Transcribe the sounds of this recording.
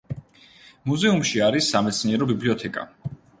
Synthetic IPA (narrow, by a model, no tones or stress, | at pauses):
muzɛumʃiaɾisːamɛt̪sʰniɛɾɔbibliɔt̪ʰɛkʼa̰